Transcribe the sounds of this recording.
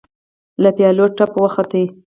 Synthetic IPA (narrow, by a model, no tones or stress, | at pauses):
lapjɑloʈːapwəxat̪əi